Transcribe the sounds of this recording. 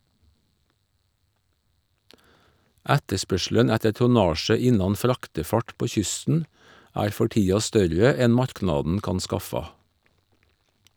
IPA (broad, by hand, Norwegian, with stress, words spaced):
ˈætəˌspœʃl̩ən ˈætə tʊˈnɑːʃə ˈɪnɑn ˈfɾɑktəˌfɑʈ ˈpoː ˈçʏstn̩ ˈæːɾ ˈfɔ ˈʈiːɑ ˈstœɾə ˈɛn ˈmɑɾˌknɑːdn̩ ˈkɑn ˈskɑfɑ